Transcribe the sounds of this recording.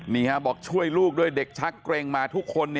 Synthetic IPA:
niː˧˩kʰa˦˥bɔː˨˩k̚t͡ɕʰu˥˩əjluː˥˩k̚du˥˩əjde˨˩k̚t͡ɕʰa˦˥kːɾeː˧ŋmaː˧t̪ʰu˦˥kʰːo˧nːi˥˩

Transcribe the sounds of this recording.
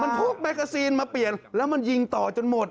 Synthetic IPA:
ma˧nt̪ʰu˦˥˩k̚ma˧˩ka˧siː˧nmaː˧pli˨˩ənlɛː˦˥wma˧nji˧ŋt̪ɔː˨˩t͡ɕo˨nmo˨˩t̪̚

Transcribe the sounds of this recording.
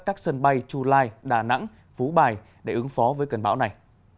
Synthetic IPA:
kaː˦˥k̚sə˧nɓa˧jt͡ɕu˧laː˧jɗaː˧˩na̰˧˥ŋ | fu˨˦ɓaː˨˩j | ɗe˧˩ʔɨ˨˦ŋfɔ˨˦vəː˨˦jkə˨˩nɓaː˧˥wna˨˩j

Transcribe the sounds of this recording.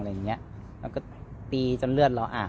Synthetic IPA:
ŋlɤː˧jŋːi˦˥ɐʔ | laː˧˩kɔː˥˩piː˧t͡ɕo˧nlɯ˥˩ət̪̚la˧wʔaː˨˩

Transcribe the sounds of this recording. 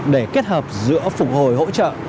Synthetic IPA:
ɗe˧˩ke˦˥t̚həː˨˩p̚zɨ̰˧˥əfʊ˨˩k͡p̚ho˨˩jɦo̰˧˥t͡ɕə̰ː˧˨

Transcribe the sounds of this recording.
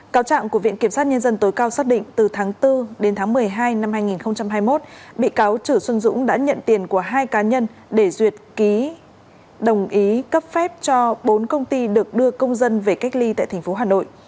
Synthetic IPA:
kaː˨˦wt͡ɕa̰ː˧˨ŋku˧˩əvḭ˧˨ənki˧˩əmsa˦˥t̚ɲə˧nzə˧nt̪o˨˦jkaː˧wsaː˦˥k̚ɗḭ˧˨ŋ̟t̪ɨ˨˩t̪ʰaː˨˦ŋt̪ɨ˧ɗe˨˦nt̪ʰaː˨˦ŋmɨ˨˩əjɦaː˧jna˧mhaː˧jŋi˨˩nxə˧wŋ͡mt͡ɕa˧mɦaː˧jmo˦˥t̚ɓḭ˧˨kaː˨˦wt͡ɕɨ˧˩swə˧nzʊ̰˧˥ŋ͡mɗa̰ː˧˥ɲə̰˧˨nt̪i˨˩ənku˧˩əɦaː˧jkaː˨˦ɲə˧n | ɗe˧˩zwi˨˩ət̚ki˨˦ | ɗə˨˩wŋ͡mʔi˨˦kə˦˥p̚fɛ˦˥p̚t͡ɕɔ˧ɓo˨˦nkə˧wŋ͡mt̪i˧ɗɨ˨˩ək̚ɗɨ˧əkə˧wŋ͡mzə˧nve˨˩ka˦˥jk̟̚li˧t̪a̰ː˧˨jt̪ʰɛ˨˩ŋ̟fo˨˦ɦaː˨˩no̰˧˨jʔ

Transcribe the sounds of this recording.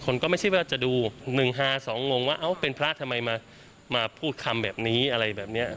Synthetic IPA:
kʰo˧nkɔː˥˩ma˥˩jʰa˥˩wɛː˥˩a˥˩t͡ɕa˨˩ʔduː˧nɯ˨˩ŋɦaː˥˩sɔː˩˦ŋwo˧ŋwaː˥˩ʔa˦˥˩wpe˧npʰɾa˦˥ʔt̪ʰa˧mːa˧jmaː˧ | maː˧pʰuː˥˩t̪̚kʰa˧mbɛː˨˩p̚niː˦˥ʔa˧ɾa˧jbɛː˨˩p̚ni˦˥ɐ

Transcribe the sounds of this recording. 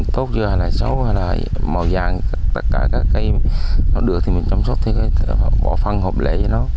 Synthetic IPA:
t̪o˦˥t̚zɨ˨˦haː˧jlaː˨˩sə˨˦whaː˧jlaː˨˩˨ma˨˩wzaː˨˩ŋt̪ə˦˥t̚kaː˧˩kaː˦˥kːaː˨˦jnɔ̰˧˨˩ɗɨ˨˩ək̚t̪ʰi˨˩mï̟˨˩t͡ɕa˧mso˦˥t̚t̪ʰi˨˩kaː˨˦jhkɔ˧˦fa˧ŋho˨˩p̚lḛ˧˩˦jə˨˧˦nɔ˨˦

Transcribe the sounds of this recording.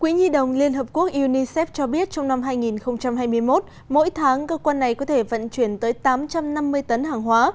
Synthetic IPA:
kwi˨˦zi˧ɗə˨˩wŋ͡mli˧ənhəː˨˩p̚ku˦˥ək̚ʔu˧ni˧sɛ˦˥p̚t͡ɕɔ˧ɓi˦˥ət̚t͡ɕɔ˧wŋ͡mna˧mɦaː˧jŋi˨˩nxə˧wŋ͡mt͡ɕa˧mɦaː˧jmɨ˧əjmo˦˥t̚ | mo̰˧˥jt̪ʰaː˨˦ŋkəː˧kwaː˧nːa˨˩jkɔ˨˦t̪ʰe˧˩və̰˧˨nt͡ɕwi˧˩ənt̪əː˨˦jt̪aː˨˦mt͡ɕa˧mna˧mːɨ˧əjt̪ə˨˦nɦaː˨˩ŋɦwaː˨˦

